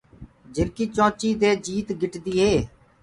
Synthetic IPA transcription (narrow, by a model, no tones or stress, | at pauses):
d͡ʒɪɾkiːt͡ʃõːt͡ʃiːd̪eːd͡ʒiːt̪ɡɪʈd̪iːɦeː